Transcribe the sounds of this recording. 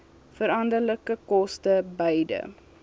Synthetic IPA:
fəɾɐndərləkəkɔstəbəjdə̰

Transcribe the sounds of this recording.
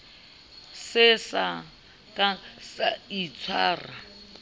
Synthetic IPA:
sɪsa | kʼasait͡sʰwa̰ːra

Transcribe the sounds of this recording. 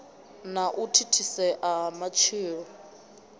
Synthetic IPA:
naʔutʰitʰisɛʔamat͡ʃʰiːɺɔ

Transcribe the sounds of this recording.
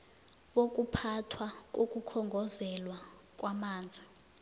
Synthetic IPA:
ɓok̬ʼupʰatʰwak̬ok̬ʼukʰɔŋɡʱɔzɛlwak̬ʼwamaːnd͡zʱi

